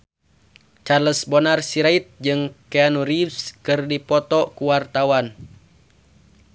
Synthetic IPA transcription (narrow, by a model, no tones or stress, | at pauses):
t͡ʃarləsbɔnarsiɾait̪̚d͡ʒɨŋkeanuɾifskɨrdipɔt̪ɔkuwart̪awan